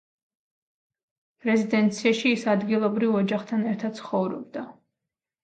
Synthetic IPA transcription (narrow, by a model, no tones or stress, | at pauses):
ɾɛzid̪ɛnt̪sʰiaʃiːsad̪ɡilˠɔbɾivɔd͡ʒaχt̪ʰanɛɾt̪ʰad̪̥sʰχɔvɾɔ̰b̚d̪a